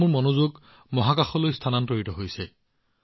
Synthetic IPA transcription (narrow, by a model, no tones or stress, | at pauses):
ʊɹmɔnozoɡ | mɔɦakaxɔlojstʰanantoɹitɔɦojsɛ